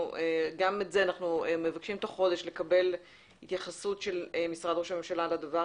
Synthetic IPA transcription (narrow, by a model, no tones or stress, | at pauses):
eɡametzeanaχnueme̞vakʃimt̪aχo̞de̞ʃle̞kɐbe̞l | hit̪jaχasutʃe̞lmisʁad̪ʁoʃame̞mʃalalad̪ava